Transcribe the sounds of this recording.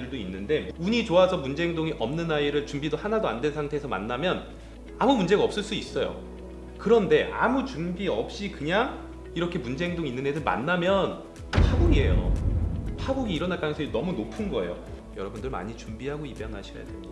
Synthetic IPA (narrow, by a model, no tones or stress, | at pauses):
ɯɭdoinːɯnde̞uɲit͡ɕoasʰʌmund͡ʑe̞eŋdoŋiʔʌmnɯnaiɾɯɭt͡ɕumbidohanadoa̰ndwe̞nsʰaŋtʰe̞ːsʰʌma̰nːamjʌn | amumund͡ʑe̞ɡaʌp̚s͈ɯɭs͈uis͈ʌjo̰ | kɯɾʌnde̞ʔa̰mut͡ɕumbiʌp̚ɕ͈ikɯɲaŋ | iɾʌkʰe̞mund͡ʑe̞ŋdoŋinːɯnedɯma̰nːamjʌn | pʰaɡuɡie̞jo̰ | pʰaɡuɡiːɾʌnak͈ansʰeinʌmunopʰɯnɡʌe̞̰jo̰ | jʌɾʌbundɯɭma̰ɲit͡ɕumbiɦaɡoipjaŋɦaɕʰiʌ̰ja̰dwe